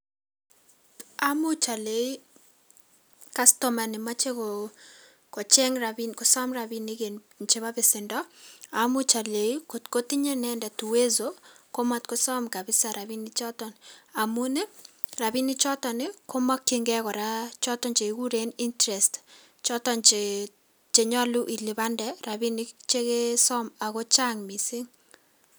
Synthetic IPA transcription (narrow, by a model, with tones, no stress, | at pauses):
a˦mu˦t͡ʃa˨le˨i˦ | ka˦stɔma˨nɪ˨ma˦t͡ʃe˦ko | kɔ˨t͡ʃɛ˦ŋɾabinkɔ˨sɔ˦mrabinike˨n | nt͡ʃe˦βa˦bɪ˨sɪndɔ˦amʊ˦t͡ʃa˨le˨iko˨tko˦ti˦ɲe˦nɛndɛ˨tu˨we˦zoko˦matko˦sɔ˦mka˨bɪ˦sa˨ɾa˨βi˦nit͡ʃɔ˦tɔ˨na˨mune˦ | ra˨bi˦ni˦t͡ʃɔ˦tɔ˨nɪko˦ma˦kːiŋɡɛ˦kɔ˨ɾa˦t͡ʃɔ˦tɔ˦nt͡ʃe˨iku˦ɾeni˦ntɾɛ˨st | t͡ʃɔ˦tɔnt͡ʃe | t͡ʃe˨ɲɔ˦lu˦ʔi˨li˨βa˦ndɛra˨bi˦nit͡ʃe˦ke˦sɔ˦ma˨ko˦t͡ʃa˦ŋmi˨si˦ŋ